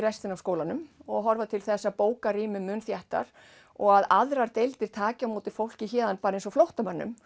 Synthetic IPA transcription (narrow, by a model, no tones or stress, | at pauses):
ɾɛst̪ɪnavskoːwlanʏmɔɣɦɔɾvat̪ʰɪlθɛsːapoːwkaɾiːmʏmʏnθjaht̪a̰ɾ̥ | ɔɣaða̰ðɾaɾt̪ejlt̪ɪɾ̥t̪ʰaːcamoːwt̪ɪ̥fowl̥cɪçɛːðanpaːɾaejnsɔflowht̪amœnːʏ̰m